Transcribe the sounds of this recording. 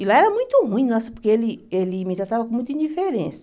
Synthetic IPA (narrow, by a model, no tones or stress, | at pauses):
ɪlaɛɾɐmũj̃t̪ʊɦũĩj̃nɔsɐpʊɾkeelɪelɪmɪt̪ɾat̪avɐkõmũj̃t̪ɐĩd͡ʒ̪ifeɾḛ̃sɐ